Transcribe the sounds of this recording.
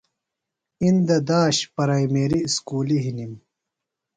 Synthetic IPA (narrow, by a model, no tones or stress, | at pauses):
ind̪ɐd̪aːɕpɐɾɐjmeːɾiskuːliɦinim